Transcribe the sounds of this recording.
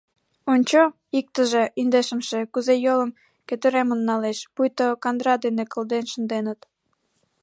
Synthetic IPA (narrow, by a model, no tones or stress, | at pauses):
onʲt͡ɕo | ik̚t̪əʒeʔind̪eʃə̆mʃekuzejoləm | køt̪øɾemənːɑleʃpujt̪okɑnd̪ɾɑd̪enekə̆ld̪enʃə̆nd̪enət̪